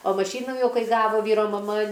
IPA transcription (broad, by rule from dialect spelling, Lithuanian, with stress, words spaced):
oː mɐˈʃʲiːnuː ˈjɛʊ ˈkɐɪ ˈɡɑːʋoː ˈʋʲiːroː mɐˈmɐ